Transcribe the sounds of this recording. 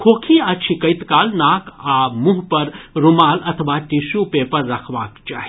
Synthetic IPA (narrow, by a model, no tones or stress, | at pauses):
kʰoːkʰiɐt͡ʃʰikəjt̪kaːlnaːkʰamuɦpəɾɾumaːlɐt̪ʰʋaʈisupepəɾːɐkʰʋaːkt͡ʃaːɦi